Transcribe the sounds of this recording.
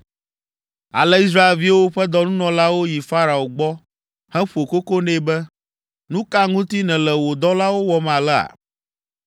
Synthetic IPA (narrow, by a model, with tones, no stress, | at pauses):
a̰˨lɛ˦i˦s̬ɾa˦e˨lvi˦wo˦ɸɛ˦d̪ɔ˦nũ˦nɔ̃˨la˦wo˦ji˨fa˦ɾa˨o˨ɡ͡bɔ˦ | hɛ̃˦ɸu˨o˨ko˦ko˦nɛ̃˦˨bɛ˦ | nũ˦ka˦ŋũ˦t̪i˦nɛ̃˨lɛ˨wo˨d̪ɔ˦la˦wo˦wɔ˦mã˨lɛ˦a̰˨